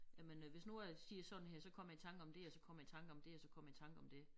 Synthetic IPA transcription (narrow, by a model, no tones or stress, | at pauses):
jæmenʋe̝snuæsiːɐsɒ̽d̥n̩heɐ̰sɒ̽kʰɒ̽mɐjait͡sʰɑ̈ŋɡ̥ɒ̽md̥e̝ɒ̽sɒ̽kʰɒ̽m̰ɐjat͡sʰɑ̈ŋɡ̥əɒ̽md̥e̝ɒ̽sɒ̽kʰɒ̽m̰jit͡sʰɑ̈ŋɡ̥əɒ̽md̥e̝